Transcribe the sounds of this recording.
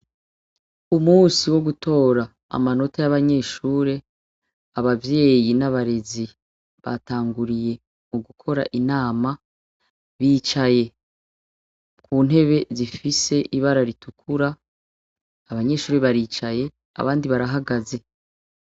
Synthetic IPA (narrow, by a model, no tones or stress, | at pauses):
umuːsiwo̞ɡuto̞ːɾa | a̰mano̞tajaβaɲe̞ːʃuːɾe̞ | aβavje̞ːjinaβaɾe̞zi | βa̰taːŋɡuɾije̞ | muɡukʰo̞ɾa̰ʔinaːma | βiːt͡ʃaje̞ | kʰuːn̥ɦe̞βe̞zifise̞ʔiβaɾaɾitukʰuɾa | βaɲe̞ːʃuːɾe̞βaɾiːt͡ʃaje̞ | a̰βaːndiβaɾaɦaɡaze̞